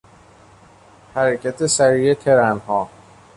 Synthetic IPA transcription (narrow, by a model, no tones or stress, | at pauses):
hæɾecʰæt̪ʰesæɾiːet̪ʰeɾænhɒː